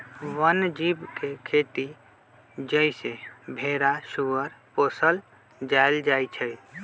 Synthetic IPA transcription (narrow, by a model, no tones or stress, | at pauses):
ʋənd͡ʒibkekʰet̪i | d͡ʒəɪsebʱeɾasuəɾposəl | d͡ʒajld͡ʒajt͡ʃʰəj